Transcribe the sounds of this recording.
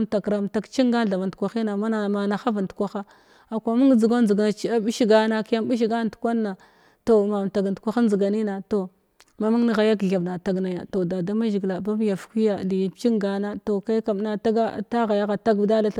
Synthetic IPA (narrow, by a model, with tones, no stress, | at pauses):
mta˨kɾa˨mta˨kt͡ʃi˦ŋɡa˦˨ɬa˨va˨ntkʷa˨xi˦na˨ma˦na˨ma˨na˨xa˦va˨n˨tkʷa˦xa˦ | a˨kʷa˨˦mu˦ŋ˦d͡zi˨ɡa˦zi˨ɡna˨t͡ʃa˦bi˦ʃi˦ɡa˦na˦kja˦bi˦ʃ̬i˨ɡa˦˨tu̥˨kʷa˦nːa˨ | to˨ma˨m˨ta˨ɡa˨ntkʷa˦xa˦n˦zi˨ɡa˨ni˦na˨to˨ | ma˦ma˦ŋ˦ɣa˨ja˦kɮa˨vna˨ta˨ɡna˨ja˨to˨da˨da˦ma˦ʒi˨ɡla˨ba˦m˦ja˨fkʷi˦ja˨li˨t͡ʃi˦ŋɡa˨na˦to˨ka˦ka˨m˨na˨ta˦ɡa˦˨ta˦ɣa˨ja˦ɣa˨ta˦ɡda˦la˦ɬ